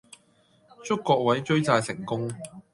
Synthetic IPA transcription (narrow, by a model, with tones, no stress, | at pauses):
t͡sʊ˥kːɔː˧k̚wɐ˨˥jt͡ʃɵ˥ɥt͡saː˧jsɪ˨˩ŋkʊ˥ŋ